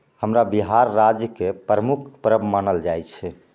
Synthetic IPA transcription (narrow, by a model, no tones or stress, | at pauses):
həmɾabiɦaɾːad͡ʒjəkepɾəmukʰpɾəbmənəld͡ʒajt͡ʃʰɛ